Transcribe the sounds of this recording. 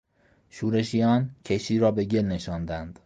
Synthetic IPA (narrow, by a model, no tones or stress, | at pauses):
ʃuːɾe̞ʃijɒːncʰeʃiːɾɒːbe̞ɟe̞lne̞ʃɒːnd̪ænd̪̥